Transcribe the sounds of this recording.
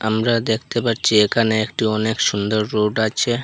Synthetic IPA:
amɾad̪ekʰt̪epaɾt͡ɕʰiekʰaneekʈiɔnekʃund̪oɾːoɖat͡ɕʰe

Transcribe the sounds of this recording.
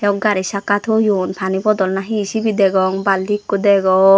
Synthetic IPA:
ɛɔk̚ɡaɾisakat̪ʰɔjunpʰanibɔd̪ɔlnaɦisibid̪ɛɡɔŋbalikːud̪ɛɡɔ

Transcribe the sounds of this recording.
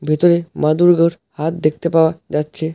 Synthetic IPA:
bʱit̪oɾemad̪uɾɡəɽ | hat̪̚d̪ekʰt̪epaʋad͡ʑat̪̚t͡ɕʰe

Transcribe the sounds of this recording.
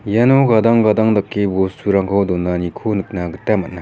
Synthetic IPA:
janoɡad̪aŋɡad̪aŋd̪akːibosuɾaŋkʰawd̪onːanikʰonɯk̚naɡɯt̪amat̚na

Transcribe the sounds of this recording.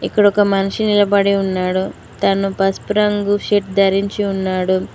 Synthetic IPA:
ikːɐɽɔkɐmɐnuʂinilɐbɐɽiunːaːɽu | t̪ɐnupɐspɾɐŋɡuʃiʈd̪ɐɾiɲt͡ʃiunːaːɽu

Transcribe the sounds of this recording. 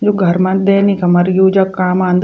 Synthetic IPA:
d͡ʒoːɡʱɐɾmɐ̃t̪d̪eːnĩkɐmɐɾjuːd͡ʒakaːmãːnd̪

